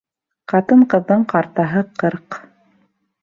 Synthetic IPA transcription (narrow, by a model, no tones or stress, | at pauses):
qɑt̪ɤɴqɤ̆ðːɤɴqɑɾt̪ɑɦɤqɤɾq